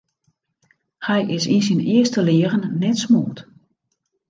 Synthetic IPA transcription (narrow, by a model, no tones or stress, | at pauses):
hɛjʔɪsisinɪəstəlɪːrənːɛtsmo̰ːt